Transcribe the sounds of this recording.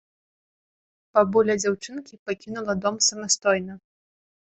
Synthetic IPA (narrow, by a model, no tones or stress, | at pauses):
pɐbulʲɐd͡zʲawt͡ʂɨnkʲipakʲinulˠɐd̪ɔmsɐmast̪ɔjnɐ